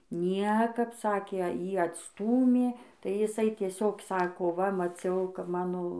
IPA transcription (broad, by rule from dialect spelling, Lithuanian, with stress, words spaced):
ˈnʲiɛkɐp ˈsɑːkʲeː ˈjiː ɐtsˈtuːmʲeː tɐɪ jɪˈsɐɪ tʲiɛˈsʲoːk ˈsɑːkoː ʋɐ mɐˈt͡sʲɛʊ kɐp ˈmɑːnoː